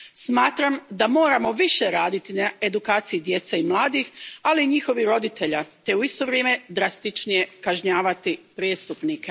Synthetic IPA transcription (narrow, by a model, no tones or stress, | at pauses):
smaːt̪ɾamd̪amo̞ːɾamo̞ʋiʃeɾaːd̪it̪inae̞d̪ukaːt̪sijid̪je̞t̪saimlˠaːd̪ixaliːɲixo̞ʋiɾo̞d̪it̪e̞ʎat̪e̞uist̪o̞ʋɾjeːme̞d̪ɾast̪it͡ʃnije̞kaʒɲaːʋat̪ipɾeːst̪upnike